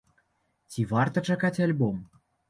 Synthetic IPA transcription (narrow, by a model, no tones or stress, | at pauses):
t̪ʲivɑrt̪ə̆t͡ʃakat̪ʲalʲbom